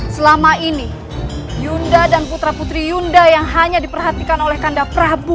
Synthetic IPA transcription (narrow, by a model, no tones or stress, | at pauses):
səlamaini | jundadanput̪ɾaput̪ɾijundajaŋɦaɲadipərɦat̪ikanolɛhkandapɾabu